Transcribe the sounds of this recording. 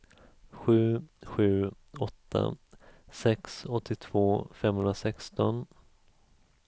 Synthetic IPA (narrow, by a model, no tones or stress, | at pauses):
ɧʉ̟ːɧʉ̟ː | ɔt̪ʰːa̰sɛksɔt̪ʰːɪt̪ʰv̥oːfɛmːhɵnɾasɛkst̪ɔn